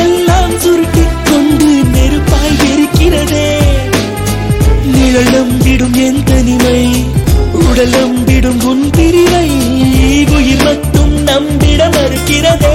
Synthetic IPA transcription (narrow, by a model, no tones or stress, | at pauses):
ɛlːaːmsʊɾʈːɪkːɔɳɖɯnɛɾɯpːaːjʋɛɾɯkːɪrɐðeː | nɪɻɐlɐmʋɪɽɯmɛnd̪ɐnɪmɐɪ | ʊɽɐlɐmbɪɽɯmɡʊɳpɪɾɪmɐɪ | liːʋɯjɪlmɐʈːɯmnɐmbɪɽɐmɐɾɯkːɪɾɐðeː